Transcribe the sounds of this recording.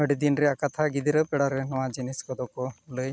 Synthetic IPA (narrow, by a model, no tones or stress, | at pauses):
əɽid̪inɾɛakat̪ʰaɡid̪iɾəpɛɽɔɾɛnɔwad͡ʒiniskɔd̪ɔkɔləj